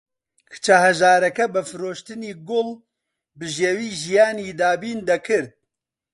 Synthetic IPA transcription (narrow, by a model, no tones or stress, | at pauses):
kʰɨ̥t͡ʃʰahɐʒaːɾɛkɛbɨfɨɾoːʃt̪ɨniːɡol | bɨʒewiːʒijaːniːd̪aːbiːnd̪ɐkʰɨɾd̪̚